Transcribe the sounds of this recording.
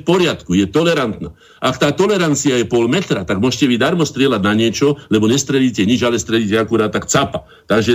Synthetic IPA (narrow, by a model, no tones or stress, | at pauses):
pɔɾɪat̪kujɛt̪ɔlɛɾant̪naː | ʔakt̪aːt̪ɔlɛɾant͡siajɛpɔlmɛt̪ɾat̪aɡmʊɔʃcɛʋid̪aɾmɔst̪ɾɪɛladnaɲɪɛt͡ʃɔlɛbɔɲɛst̪ɾɛʎiːcɛɲid͡ʒalɛst̪ɾɛʎiːcɛakuɾaːt̪̚t̪ːakt͡sapa | t̪aɡʒɛ